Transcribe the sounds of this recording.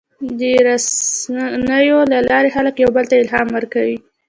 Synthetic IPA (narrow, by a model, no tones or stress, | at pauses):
d̪əɾas | nəjolalɑɾexaləkjawbəlt̪aɪlɦɑmwəɾkawi